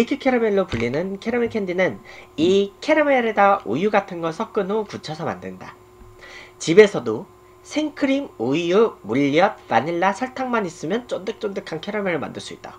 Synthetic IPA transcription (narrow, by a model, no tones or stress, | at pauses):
ikʰɯkʰeɾɯmeɭːopuʎːinɯnkʰeɾɯmekʰendinɯnikʰe̞ɾɯmeɾedaʔo̰juɡatʰɯnɡʌsʰʌk͈ɯnokut͡ɕʰʌsʰʌma̰ndɯnda̰ | t͡ɕibe̞sʰʌdo | sʰeŋkʰɯɾimojumuʎːijʌp̚vaniɭːasʰʌɭtʰaŋmanis͈ɯmjʌnt͡ɕ͈ondɯk̚t͡ɕ͈ondɯkʰankʰeɾɯmeɾɯɭma̰ndɯɭs͈uit̚t͈a